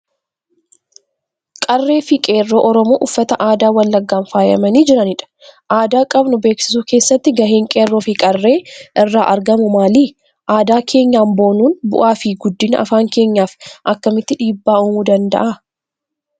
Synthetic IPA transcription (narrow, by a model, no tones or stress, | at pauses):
kʼɐrːe̞ːfɪkʼe̞ːrːo̞ːʔɔɾɔmo̞ːʔʊfːɐt̪ɐʔaːd̪aːwɐlːɐɡːaːnfaːjɐ̰mɐniːd͡ʒɪɾɐnɪᶑɐ̥ | ʔaːd̪aːkʼɐbnʊbeːksɪ̥suːke̞ːsːɐt̪ːɪɡɐɦeːŋkʼeːrːoːfɪkʼɐrːe̞ːʔɪrːaːʔɐɾɡɐmʊmaːliː | ʔaːd̪aːkʰe̞ːɲːaːmbo̞ːnuːnbʊ̰ʔaːfiɡʊd̪ːɪnɐʔɐ̰faːŋke̞ːɲːaːfʔɐkːɐmɪt̪ːɪᶑiːbːaːʊːmuːd̪ɐnd̪ɐ̰ʔa